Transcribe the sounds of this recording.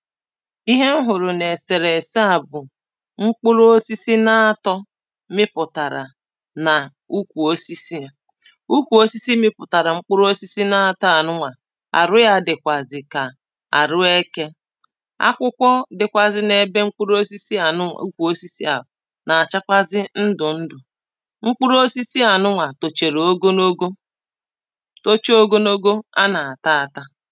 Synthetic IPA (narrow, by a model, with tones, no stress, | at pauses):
i˦ɦe˦m̩˦ɦʊ˨ɾʊ˨ne˨se˨ɾe˨sa˨bʊ˨ | ŋ͡m̩˦k͡pʊ˦ɾo˦si˦si˦na˦a˦tɔ˦ | mɪ˦pʊ˨ta˨ɾa̰˨ | na˨ | u˦kʷu˨o˦si˦si˦˨ | u˦kʷu˨o˦si˦si˦mɪ˦pʊ˨ta˨ɾa˨ŋ͡m̩˦k͡pʊ˦ɾo˦si˦si˦na˦a˦tɔ˦a˨nʊ˦ŋʷa˨ | a̰˨ɾʊ˦ja˦dɪ˨kʷa˨zɪ˨ka˨ | a̰˨ɾʊ˦e˦ke˦ | a̰˦kʷʊ˦kʷɔ˦dɪ˨kʷa˨zɪ˦ne˦be˦ŋ͡m̩˦k͡pu˦ɾo˦si˦si˦a˨nʊ̰˦˨u˦kʷu˨o˦si˦si˦a˨ | na˨a˨t͡ʃa˦kʷa˦zɪ˦n̩˦dʊ˨n̩˦dʊ˨ | ŋ͡m̩˦k͡pu˦ɾo˦si˦si˦a˨nʊ˦ŋʷa˨to˨t͡ʃe˨ɾo˦ɡo˦no˦ɡo˦ | to˦t͡ʃo˦ɡo˦no˦ɡo˦a˦na˨a˨ta˦a˨ta˦